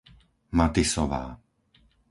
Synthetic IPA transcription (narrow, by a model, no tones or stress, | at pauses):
mat̪isɔʋa̰ː